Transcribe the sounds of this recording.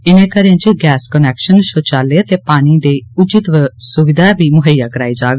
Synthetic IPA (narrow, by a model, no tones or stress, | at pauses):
ɪnẽːkəɾãːt͡ʃiɡɛːskənɛːkʃənʃot͡ʃaːleːt̪eːpaːñiːd̪eːʊd͡ʒɪt̪ʋsʊʋɪd̪aːbiːmʊɦəjaːkəɾaːid͡ʒaːɡ